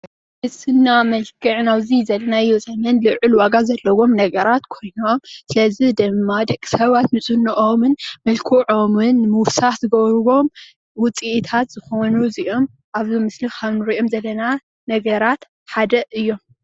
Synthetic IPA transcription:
mɨsɨnːamɐlkʰɨʕnawzizɐlːɐnaɨjːuzɐmɐnlɨʕɨlwaɡazɐlːɐwo̞mnɐɡɐɾat̪kʰo̞jnomsɨlɐzid̪ɨmːad̪ɐkʼːi̥sɐβat̪nɨt͡sʼɨnːɨʔo̞mɨnmɐlkʰuʕomɨnmɨwsaħzɨɡɐβɾuβo̞m | wʊt͡sʼiʔt̪ʰat̪z̥ɨxonuziʔo̞m | ʔaβzimɨslikʰaβnɨɾiʔomzɐlːɐna | nɐɡɐɾat̪ | ħad̪ɐʔɨjːo̞m

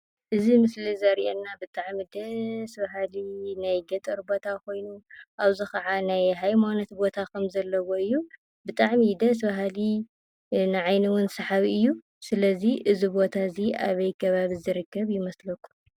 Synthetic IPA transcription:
ʔɨzimɨslizɐɾʔenːabɨt̪ʼaʕmid̪ɐsbaɦalinajɡɐt̪ʼɐɾbo̞t̪ʰakʰo̞jnuʔaβzixɐʕanajɦajmanot̪bo̞t̪ʰakʰɐmzɐlːɐwoɨjːu | bɨt̪ʼaʕmid̪ɐs̬baɦali | nɨʕajnɨwʊnsɐħaβiɨjːu | sɨlɐziʔɨzibo̞t̪ʰaziʔa̰βɐjkʰɐβaβizɨɾɨkːɐβjɪmɐslɐkʼːu̥

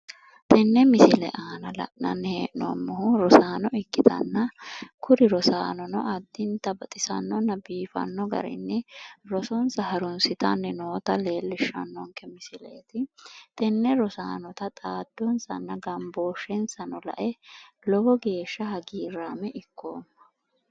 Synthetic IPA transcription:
t̪ʰɛnːɛmɪsɪlɛ̰ʔaːnɐlɐ̰ʔnɐ̰nːheːʔnɔ̰mːɔhʊɾɔsaːnɔɪkːɪt̪ɐ̰nːɐkʰʊɾɪɾɔsa̰ːnɔnɔ̰ʔɐd̪ːɪnt̪ɐbɐt̪ʼɪsɐ̰nːɔnːɐbiːfɐ̰nːɔɡɐ̰ɾɪ̰nːɛɾɔsɔnsɐhɐɾʊnsɪt̪ɐnːɛnoːt̪ɐle̞ːlːɪʃːɐ̰nːɔŋkɛmɪsɪlḛːt̪ɪt̪ɛnːɛɾɔsaːnɔt̪ɐt̪ʼaːd̪ːɔnsɐ̰nːɐɡɐmboːʃːɛnsɐnɔlɐ̰ʔɛ | lɔɡɔɡe̞ːʃːɐhɐɡiːɾaːmɛʔɪkʰːoːmːɐ̥

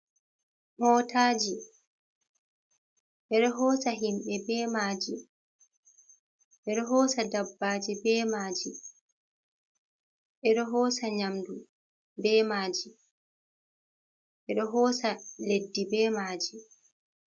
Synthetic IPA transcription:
mɔːtʰaːd͡ʒi | ʔɛɗɔɦɔːsaɦimɓɛbɛːmaːd͡ʒi | ʔɛɗɔɦɔːsadabːaːd͡ʒibɛːmaːd͡ʒi | ʔɛɗɔɦɔːsaɲamdu | bɛːmaːd͡ʒi | ʔɛɗɔɦɔːsaledːibɛːmaːd͡ʒi

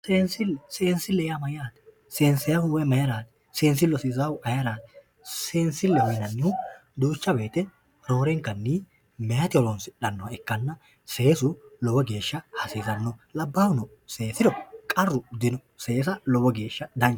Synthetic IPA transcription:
seːnsɪlːɛse̞ːnsɪlːɛjamɐjaːt̪ɛ̥ | seːnsɛjɐwʊwɔjmɐjɐɾaːt̪ɛ̥ | seːnsɪlːɔsɪzɐwʊʔɐjɐɾaːt̪ɛ̥ | se̞ːnsɪlːɛhɔjnɐnːɪʊd̪uːt͡ʃːɐbe̞ːt̪ɛ | noːɾɛŋkːɐnːi | mɛjɐt̪ɪɔɾɔnsɪᶑɐnːɔɐɛkːɐnːɐ | se̞ːsʊlɔbɔɡe̞ːʃːɐhɐsiːzɐnːɔlɐbːaːwʊnɔ | se̞ːsɪd̪ɔkʼɐrːʊd̪ɪnɔ | se̞ːsɐlɔbɔɡe̞ːʃːɐd̪ɐnt͡ʃ

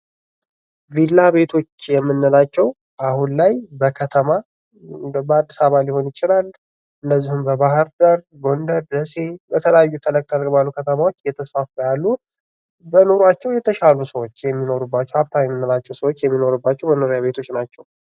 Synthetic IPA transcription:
vilːaβe̞t̪ʰo̞t͡ʃːjɛmːɨnːəlat͡ʃːɛw | ʔahunlajbəkʰət̪ʰəma | bəad̪ːisaβaljɪho̞njɪt͡ʃʼɪlalː | ɨndəzːihumbəβahɨɾd̪əɾ | ɡo̞nd̪əɾd̪əse̞bət̪ʰələjajːut̪ʰələk̚ʼt̪ʰalɡəbalːukʰət̪ʰəmawot͡ʃːjɛt̪ʰəsfafəjalːu | bəno̞ɾat͡ʃːɛwjɛt̪ʰəʃalusəwot͡ʃːjɛmːino̞ɾubːat͡ʃːɛwaβt̪ʰajɛmːɨnːəlat͡ʃːɛwsəwot͡ʃːjɛmːino̞ɾubːat͡ʃːɛwbənoɾjaβe̞t̪ʰo̞t͡ʃːnat͡ʃːɛw

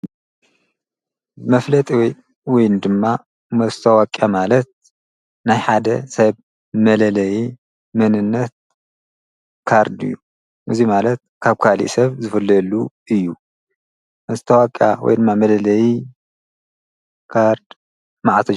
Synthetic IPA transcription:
mɐflɐt̪ʼiwj | wɔjnd̪ɨmːa | mɐzɨt̪ʰɐwakʼjamalɐt̪̚ | najħad̪ɐsɐβ | mɐlɐlɐji | mɐnɨnːɐt̪̚ | kʰaɾd̪ɨ̰jːu | ʔɨzimalɐt̪̚kʰaβkʰalḭʔsɐβzɨfɨlːɐlu | ɨjːu | mɐzɨt̪ʰɐwakʼja̰wɔ̰jd̪ɨmːamɐlɐlɐji | kʰaɾd̪ | maʕt̪ʰɐ

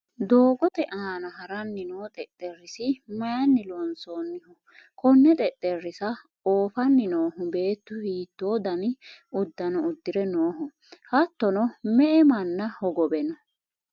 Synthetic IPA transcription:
d̪oːɡɔt̪ɛʔaːnɐɦɐɾɐnːɪnoːt̪ʼɛt̪ʼːɛrːɪsɪmɐjɐnːɪlɔnsoːnːɪhʊ | kʰɔnːɛt̪ʼɛt̪ʼːɛrːɪsɐ | oːfɐnːɪnoːɦʊbe̞ːt̪ːʊhiːt̪ːoːd̪ɐnɪʊd̪ːɐnɔʊd̪ːɪɾɛnoːɦʊ | hɐt̪ːɔnɔmɛʔɛmɐnːɐhɔɡɔbɛnɔ

